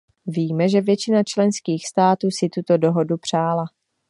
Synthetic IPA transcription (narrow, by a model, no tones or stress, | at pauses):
viːmɛʒɛvjɛt͡ʃɪnat͡ʃlɛnskiːxst̪aːt̪uːsɪt̪ut̪o̞do̞ɦodupr̝̥aːla